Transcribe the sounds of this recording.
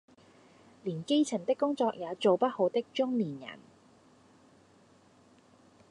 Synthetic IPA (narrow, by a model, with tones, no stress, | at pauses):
liː˨˩nke˥jt͡sʰɐ˨˩ŋt̪ɪ˥kːʊ˥ŋt͡sɔː˧k̚jaː˨˧t͡so˨wpɐ˥t̚ho˨˧wt̪ɪ˥k̚t͡ʃʊ˥ŋniː˨˩njɐ̰˨˩n